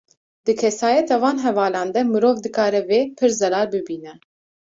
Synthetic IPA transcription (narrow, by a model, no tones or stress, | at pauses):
d̪̥ɨkʰɛsɑːjɛt̪ɑvɑːnɦɛvɑːlɑːnd̪ɛmɨɾoːvd̪ɨkɑːɾɛveːpʰɨɾzɛɾɑːɾbɨbiːnɛ